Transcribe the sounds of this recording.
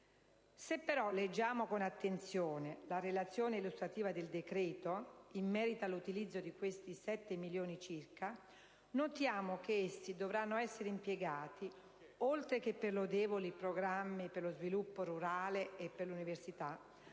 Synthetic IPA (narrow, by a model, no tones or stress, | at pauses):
sepːeɾɔled͡ʒːaːmokonat̪ːent̪sjoːnelaɾelat̪sːjoːneilust̪ɾat̪iːvad̪eld̪ekɾɛːt̪oimːɛːɾit̪alut̪ilid̪zːod̪ikwest̪isɛt̪ːemiljoːnit͡ʃirka | not̪jaːmok̟eesːid̪ovɾanːoɛsːeɾeimpjeɡaːt̪i | olt̪ɾek̟epːerlod̪ɛːbolipɾoɡɾamːiperlozvilupːoɾuɾaːleːpːerluniversit̪a